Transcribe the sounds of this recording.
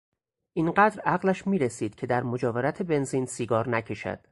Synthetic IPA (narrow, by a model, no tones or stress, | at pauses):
ʔiːnɢæːd̪ɾæɣlæʃmiːɾesiːd̪̥cʰe̞d̪æɾmod͡ʒɒːveɾæt̪ʰe̞be̞nziːnsiːɡɒːɾnæcʰe̞ʃæ̰d̪̥